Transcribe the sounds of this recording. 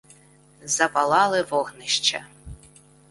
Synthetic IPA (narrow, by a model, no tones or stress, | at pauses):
zɐpɐlˠɑlˠɪʋɔɣnɪʃt͡ʃɐ̰